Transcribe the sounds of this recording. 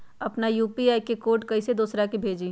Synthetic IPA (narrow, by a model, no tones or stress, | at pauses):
ɐpnajuːpiaːikekoːʈkɐised̪uːsɾakebʱeːd͡ʒi